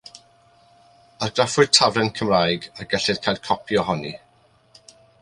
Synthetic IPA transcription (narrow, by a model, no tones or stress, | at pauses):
arɡrafʊd̥tʰavrɛnkʰəmraːjɡarɡɛɬɨð̥̚kʰajˠkʰɔpʰjɔhɔnḭ